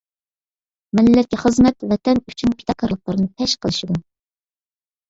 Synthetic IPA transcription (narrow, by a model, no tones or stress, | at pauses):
mɪllːɛkʲiχəzmɛt̪vɛt̪ʰɛnyt͡ʃʰynpʲʰi̥t̪ʰɑkʰɑɾlˠəq̚lˠɨɾɨnɨpʰɛʃqʰəlˠɨʃid̪u